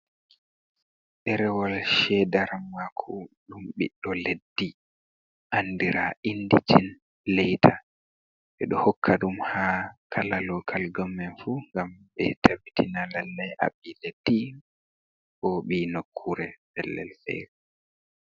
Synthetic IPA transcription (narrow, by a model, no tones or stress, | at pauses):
ɗɛɾɛwalʃɛdaɾamːakʰu | ɗumɓiɗːɔledːi | ʔanːdiɾaʔindit͡ʃin | lɛjtʰa | ɓɛɗɔhɔkʰːaɗumhaːkʰalalɔkʰalɡɔmːɛnfuŋɡamɓɛ̰tʰabitʰinalalːɛjʔa̰ɓiled̥ːi | ʔɔɓiːnokʰːuɾɛbɛlːɛ̰lfɛ̰ɾi